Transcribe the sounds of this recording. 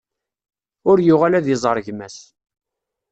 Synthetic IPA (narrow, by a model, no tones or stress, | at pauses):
ʊɾjʊʁalæðjəzˤɾˤəʝmæs